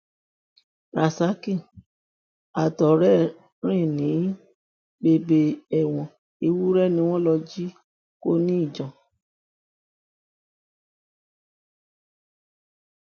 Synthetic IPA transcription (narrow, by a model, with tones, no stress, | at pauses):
ɾa˨sa˨˦kĩ˦˨ | a˨tɔ˨ɾɛ˦ | ɾ̃ĩ˦˨nĩ˨˦ | be˧be˧ɛ˨w̃ɔ̃˨ | i˧wu˦ɾɛ˦˨nĩ˧˦w̃ɔ̃˦lɔ˧d͡ʒi˦ | ko˦nĩ˦i˦˨d͡ʒɔ̃˨